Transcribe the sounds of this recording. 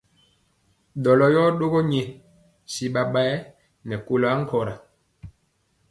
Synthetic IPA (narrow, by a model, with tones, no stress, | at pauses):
ɗɔ˨lɔ˨jɔ˦ɗo˦ɡɔ˦ɲɛ˨ | si˨ɓa˨ɓa˦ɛ˦ | nɛ˨ko˨la˦ŋ̩˦kɔ˨ɾa˨